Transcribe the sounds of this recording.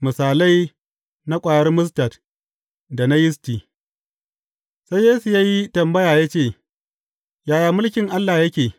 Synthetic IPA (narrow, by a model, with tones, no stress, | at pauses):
mɪ˨saː˨la˦j | na˦kʷʼaː˨jɐ˦rmʊ˦s̬tɐ˨t | da˨na˦jɪ˦stiː˨ | sa˦jːeː˦su˨jaː˦ji˦tɐ˨mbɐ˦jaː˨ja˦t͡ʃeː˦˨ | jaː˨jaː˨mʊ˦lkʲɪ˨ŋʔa˦lːaː˨jɐ˦kʲeː˨